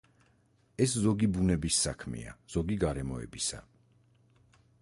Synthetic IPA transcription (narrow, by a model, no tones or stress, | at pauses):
ɛszɔɡibunɛbisːakʰmḭa̰z̥ɔɡiɡaɾɛmɔɛ̰bisa